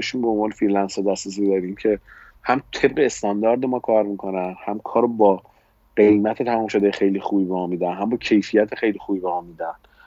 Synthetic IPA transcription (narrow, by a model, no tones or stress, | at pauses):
eʃuːmbombɒːnefiɾlænsɒd̪æst̪ɾes̬iːd̪ɒːɾiːmcʰe̞ | hæmt̪ʰe̞b̚ɢe̞ːst̪ɒnd̪ɒɾd̪emɒːkʰɒːɾmiːkʰo̞nænhæmkʰɒːɾobɒː | ɢe̞jmæt̪ʰet̪ʰæmɒːmʃod̪ejexe̞jlixuːbibemɒːmiːd̪ænɦæmbɒːcʰe̞jfijæt̪ʰexe̞jlixuːbiːbemɒːmiːd̪æn